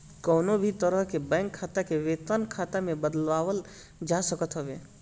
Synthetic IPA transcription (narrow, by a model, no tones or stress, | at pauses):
kɔːnobʱit̪əɾəɦkebɛ̃ːŋkʰːaːt̪akeʋeːt̪ənkʰaːt̪amẽbəd̪əlʋaːwəl | d͡ʒasəkət̪ɦəʋeː